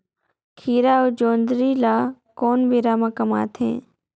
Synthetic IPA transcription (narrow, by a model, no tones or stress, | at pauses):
kʰiːɾaːod͡ʒoːnd̪ɾiːlaː | koːnbiɾaːmãkɐma̰ːt̪ʰɦḛ̃ː